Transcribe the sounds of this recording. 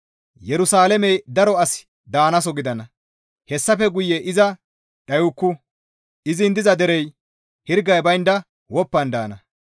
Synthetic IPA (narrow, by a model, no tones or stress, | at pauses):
jɛɾʊsaːlɛmɛjd̪ɐɾɔɐs | d̪aːnɐs̬ɔɡɪd̪ɐnɐ | hɛsːɐfɛɡʊjːɛʔɪzɐ | ᶑɐjʊkːʊ | ɪzɪnd̪ɪzɐd̪ɛɾɛj | hɪɾɡɐjbɐjnd̪ɐ | wɔpːɐnd̪a̰ːnɐ